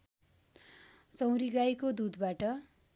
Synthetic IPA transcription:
t͡sʌ̃w̃ɾiɡajkod̪ud̪baʈʌ

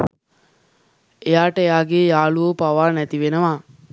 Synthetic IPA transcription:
ejaːʈəejaːɡeːjaːluopaʋaːnæt̪iʋenəʋaː

